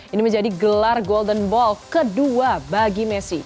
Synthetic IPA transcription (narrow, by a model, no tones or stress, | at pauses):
inimə̃ɲd͡ʒadiɡəlarɡɔldənbɔlkəduabaɡimɛsi